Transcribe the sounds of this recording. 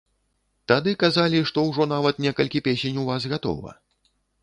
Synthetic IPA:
t̪ad̪ɨkazalʲiʂt̪ɔwʐɔnavɐt̪nʲɛkɐlʲkʲipʲesʲenʲuvazɣat̪ɔ̰vɐ̰

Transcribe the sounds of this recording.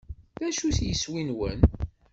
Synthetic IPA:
ðæʃuθjəswinwə̰n

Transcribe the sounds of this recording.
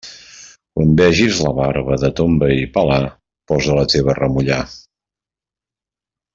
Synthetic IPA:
kwambɛʒizləβaɾβəðət̪ombəipəla | pɔzələt̪eβ̞ərəmuʎa

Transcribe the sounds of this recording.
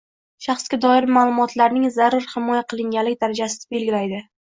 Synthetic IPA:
ʃɑχskʲad̪ɒɪɾmalˠʊmɒt̪laɾnɪŋzaɾʊɾhɪmɒjaqʰɨlˠɪŋɡʲalːɪk̚ʲd̪aɾad͡ʒasɪd̪ɪbe̞lɡʲɪlajd̪ɪ

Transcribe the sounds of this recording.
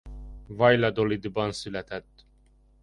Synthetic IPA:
vɑjlɑd̪olid̪ibɑnsylæt̪æt̪ː

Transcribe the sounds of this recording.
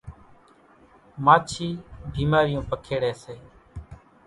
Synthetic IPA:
maːt͡ʃʰiːbʱiːmaːɾɪjõːpəkʰeːɽeːseː

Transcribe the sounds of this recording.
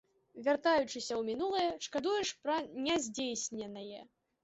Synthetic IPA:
vʲart̪ajut͡ʂɨsʲɐwmʲinulˠɐjɛʂkad̪ujɛʂpɾɐnʲɛzʲd͡zʲejsʲnʲɛnɐjɛ

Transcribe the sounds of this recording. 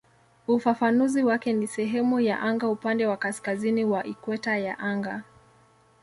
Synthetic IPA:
ufafanuziwakɛnisɛɦɛmuja̰ʔaŋɡaupandɛwakaskaziniwaʔikwɛtajaʔaŋɡa

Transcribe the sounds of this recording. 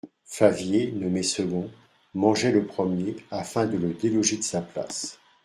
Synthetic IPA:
favjenɔmesəɡɔ̃ | mɑ̃ʒɛləpχəmjeafɛ̃d̪ələd̪elɔʒed̪əsapla̰s

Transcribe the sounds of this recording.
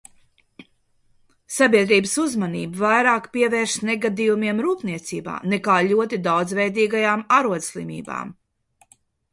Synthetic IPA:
sabʲiɛd̪ɾiːbəsuzmanḭːbavajɾaːkpiɛvɛːɾʃnɛɡad̪ijumiɛmɾuːpniɛt̪sḭːba̰ːnɛkaːʎʲuɔt̪id̪awd̪zvɛjd̪iːɡajaːmaɾuɔd̪slˠḭmḭːba̰ːm

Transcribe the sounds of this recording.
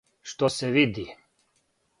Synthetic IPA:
ʃt̪osɛʋid̪i

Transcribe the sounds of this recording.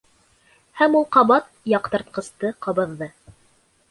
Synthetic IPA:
hæmulˠqɑβɑt̪̚jɑqt̪ɤ̆ɾt̪̚qɤ̆st̪ɤqɑβɤ̆ðːɤ

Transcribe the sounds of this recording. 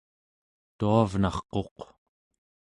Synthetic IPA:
t̪uavnɑχqo̞q

